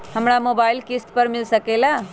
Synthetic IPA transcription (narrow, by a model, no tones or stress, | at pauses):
hɐmɽamoːbaːɪlkɪsʈ̪pəɾmɪlsəkelaː